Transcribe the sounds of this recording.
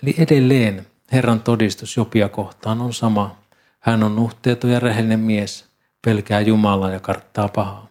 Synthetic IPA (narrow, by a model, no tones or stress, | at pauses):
eliʔedelːeːn | herːɑnt̪odist̪usjopiɑkoht̪ˑɑːnonsɑmɑ | hænonnuht̪ˑeˑːt̪ojɑrehelːinemmies | pelkæːjumɑlɑːjɑkɑrt̪ːɑːpɑhɑː